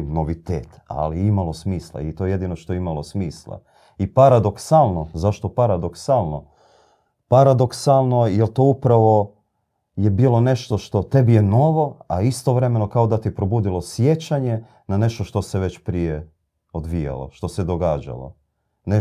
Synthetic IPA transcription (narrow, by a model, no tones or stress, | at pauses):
no̞ʋit̪ḛːt̪a̰liimalˠo̞smiːslˠa̰it̪o̞jje̞d̪inoʃt̪oimalˠosmiːslˠa̰ | ipaɾad̪o̞ksalˠno̞zaʃt̪o̞paɾad̪o̞ksalˠno̞ | paɾad̪o̞ksalˠno̞jelˠt̪oːupɾaʋo̞ | jebiːlˠo̞ne̞ʃt̪o̞ʃt̪o̞t̪e̞bije̞no̞ʋo̞aist̪o̞ʋɾe̞me̞no̞kaod̪at̪ipɾo̞buːd̪ilˠo̞sje̞t͡ɕaɲe̞ | nane̞ʃt̪o̞ʃt̪o̞seʋe̞t͡ɕpɾije | od̪ʋija̰lo̰ʃt̪o̞sed̪o̞ɡaːd͡ʑa̰lˠo̞̰ | ne